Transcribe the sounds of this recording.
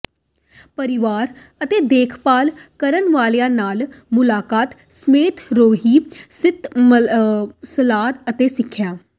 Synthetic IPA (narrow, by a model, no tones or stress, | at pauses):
pəɾɪʋaːɾ | ət̪eːd̪eːkʰpaːlkəɾənʋaːlejãːnaːlmʊlaːkaːt̪smeːt̪ʰɾoːɦiːsɪt̪m | səlaːt̪ət̪eːsɪkʰːjaː